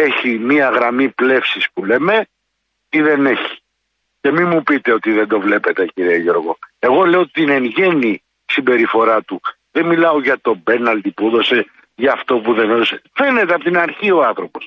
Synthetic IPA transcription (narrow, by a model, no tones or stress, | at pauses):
e̞çimiɐɣɾɐmiple̞fsispule̞me̞ | iðe̞ne̞çi̥ | ce̞mimːupit̪eo̞t̪iðe̞nd̪o̞vle̞pe̞t̪e̞ciɾieʝo̞ɾɣo̞e̞ɣo̞le̞ot̪inenʝe̞ni | simbe̞ɾifo̞ɾɐt̪u | ðenmilɐo̞ʝɐt̪o̞be̞nɐld̪ipuoðo̞se̞ | ʝɐːft̪o̞puðe̞noðosefe̞ne̞t̪eɐpot̪inɐɾçio̞ɐnθɾo̞po̞s